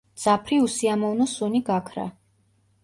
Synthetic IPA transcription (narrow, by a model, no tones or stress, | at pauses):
d̪z̥apʰɾiusiamɔvnɔsuniɡakʰɾa̰